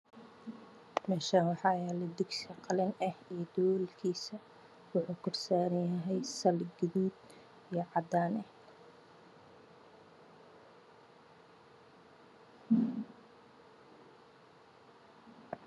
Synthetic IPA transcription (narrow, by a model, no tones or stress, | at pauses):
mɛːʃaːwɑħɑːjɛlɛd̪ʊɡsɐqɑlɪnɐhijɞd̪ɔwlkʰiːsɐ | wʊħuːkʰɔrsaːɾɐnjɐɦɛjsɐlɡɪðuːd̪ | ijɞʕɑd̪aːnɛh